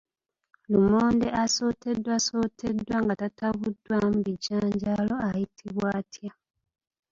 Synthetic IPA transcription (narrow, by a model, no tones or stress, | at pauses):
lumoːnde̞ʔaso̞ːtʰe̞dːwaso̞tʰe̞dwaŋɡatataβudwamuβiɟaːɲɟaːlo̞ajitʰiβwaːtʰja